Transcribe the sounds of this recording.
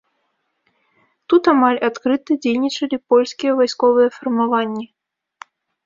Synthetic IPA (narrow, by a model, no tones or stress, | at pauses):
t̪ut̪amalʲat̪kɾɨt̪ɨd͡zʲejnʲit͡ʂɐlʲipɔlʲskʲijɛvajskɔvɨjɛfɐrmavanʲːi